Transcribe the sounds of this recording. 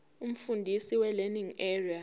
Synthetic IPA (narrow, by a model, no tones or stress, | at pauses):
um̩fundʱisiwɛlɛniŋɛria